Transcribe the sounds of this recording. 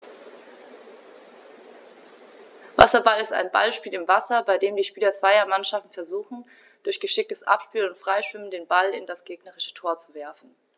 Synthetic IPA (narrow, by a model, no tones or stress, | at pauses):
va̰sɐbalɪsta̰ɪnba̰lʃpiːlɪmvasɐbaɪdeːmdiːʃpiːlɐt͡sv̥aɪɐmanʃaftn̩fɛɐzuːxn̩ | d̥ʊɐçɡ̥əʃɪk̚təsʔa̰pʃpiːlʊntfʁ̥aɪʃv̥ɪməndeːnbalɪ̰ndasɡ̥eːɡnəʁɪʃə̥tʰoːɐt͡suvɛɐfn̩